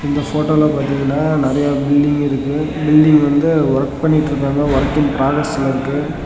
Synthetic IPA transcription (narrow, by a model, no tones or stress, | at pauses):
ɪnd̪ɐfoːʈolɐpaːɾt̪iŋɡɐnːaːnɪɾɐjabɪlɖɪŋɡɪɾɯkːɯbɪlɖɪŋɡʋɐnd̪ɯʊɾɐkpɐɳːɪʈːɾɯkːaːŋɡɐʋʊɾɐkːɪnpɾaːɡɐsɪlɐɪɾɯkːɯ